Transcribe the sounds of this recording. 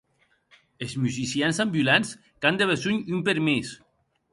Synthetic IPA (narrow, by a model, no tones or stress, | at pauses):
ezmyzisjansambjulans | kand̪eβezuɲympeɾmes